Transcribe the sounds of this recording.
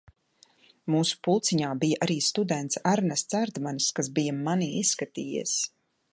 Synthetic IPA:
muːsu̥pulˠt̪siɲaːbijaʔaɾiːst̪ud̪ɛnt̪saɾnɛst̪saɾd̪manskazbijamaniːisːkat̪iːjḛs

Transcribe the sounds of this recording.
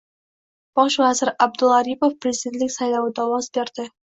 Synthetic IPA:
b̥ɑʃvæzɪɾæb̚d̪ulˠɑɾipofpɾezid̪ent̪lɪkʲsɑjlˠɑwɨd̪ɑwɑzbeɾd̪̥ɪ

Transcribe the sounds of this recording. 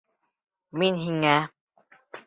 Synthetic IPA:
minɦiŋa

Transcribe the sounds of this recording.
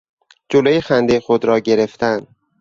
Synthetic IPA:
d͡ʒolojexænd̪exod̪ɾɒːɟe̞ɾe̞ft̪ʰæn

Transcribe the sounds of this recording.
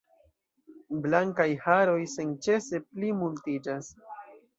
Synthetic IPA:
blaŋkajhaɾo̞jsent͡ʃe̞se̞plimultid͡ʒas

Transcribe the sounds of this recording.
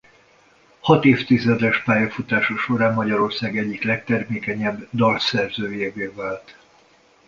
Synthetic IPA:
hɒt̪eːft̪izɛd̪ɛʃpaːjɒfut̪aːʃɒʃo̞ɾaːmmːɒɟɒɾo̞rsaːɡɛɟːiklɛk̚t̪ɛrmeːkɛɲɛbːd̪ɒlsɛrzøːjeːveːvaːlt̪

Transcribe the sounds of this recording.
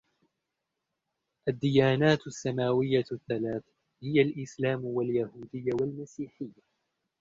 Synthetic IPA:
ʔad̪ːɪjaːnaːt̪asːamaːwɪjːaθːalaːθ | hɪjalʔɪslaːmwaljahuːd̪ɪjːawalmasiːħɪjːa

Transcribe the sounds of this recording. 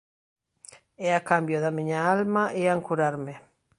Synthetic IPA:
ɛakambjoðamiɲaalmaʔeaŋkuɾaɾme

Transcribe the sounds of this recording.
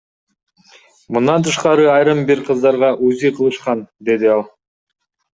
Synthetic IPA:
mund̪ɑnt̪ʰɯʃqɑɾɯɑjɾɯmbiɾqʰɯzd̪ɑɾʁɑʔuzijqʰɯlˠɯʃqɑnd̪e̞d̪iɑlˠ

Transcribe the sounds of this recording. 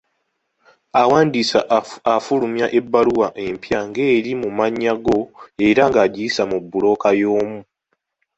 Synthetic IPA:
awaːndisaːfulumjaʔe̞bːaluwaʔe̞mpjaŋɡe̞ːɾimumaɲːaɡo̞e̞ɾaŋɡaːɟiisamubːulo̞ːkajo̞ːmu

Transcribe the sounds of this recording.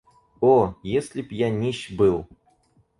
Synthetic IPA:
ojesʲlʲɪpjanʲiɕbɨlˠ

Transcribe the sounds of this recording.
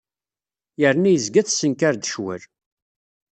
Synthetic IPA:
jəɾnæjəzɡæθsənkaɾd̪əʃwə̰l

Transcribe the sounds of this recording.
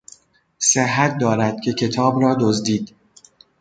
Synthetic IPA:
seɦːæt̪̚ʰd̪ɒːɾæd̪̥̚cʰe̞cʰe̞t̪ʰɒːbrɒːd̪ozd̪iːd̪

